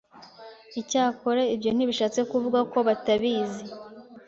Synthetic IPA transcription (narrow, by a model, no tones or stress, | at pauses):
icaːko̞ɾeibjo̞n̥iβiʃaːt͡se̞kuvuɡako̞βataβiːzi